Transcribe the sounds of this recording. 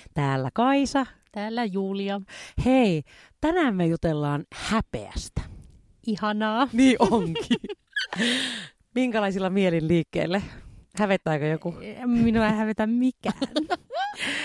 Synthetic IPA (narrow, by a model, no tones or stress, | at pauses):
t̪æːlːæ̰kɑisɑt̪æːlːæjuːliɑhei | t̪ænæːmːejut̪elːɑːnhæpḛæ̰st̪æ̥ | ʔihɑnɑːniːʔoŋki | miŋkælɑisilːɑmielinliːkːḛilːehæʋet̪ːæːkøjokuemminuæhæʋet̪æmmikæ̰ːn